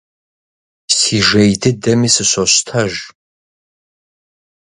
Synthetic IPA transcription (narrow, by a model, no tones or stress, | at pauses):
siːʒɐjdɨdɐmiːsɨɕʷɐɕtʰɐʒ